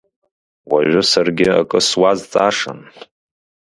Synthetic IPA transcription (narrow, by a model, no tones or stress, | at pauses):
waʒʷʊsarɡʲɪa̰kʼɨswazt͡sʼaʂa̰n